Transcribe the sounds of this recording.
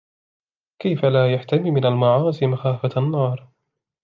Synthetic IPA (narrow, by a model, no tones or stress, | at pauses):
kajfalaːjaħt̪amiːmɪnalmɑʕɑːzimaxaːfaanːɑːɾˤ